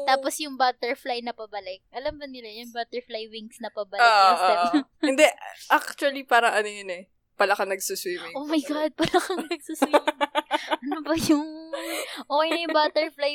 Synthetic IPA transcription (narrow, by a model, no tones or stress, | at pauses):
t̪aːposjʊŋbaːt̪ɛɹflajnɐpɐbɐlɪk̚ʔɐlɐmbɐnɪlajʊŋbaːt̪ɛɹflajwiŋsnɐpɐbɐlɪɐɛɪnd̪ɛʔak̚t͡ʃuɐlipaːɾɐŋʔɐnojɐnɛ | pɐlɐkɐŋnɐɡsuswiːmŋʔoːmɐjɡad̪̚pɐlɐkɐŋnɐɡ̚suswimŋʔɐnobɐjʊŋ | ʔoːkɐjnɐjʊŋbaːt̪ɛɹflaj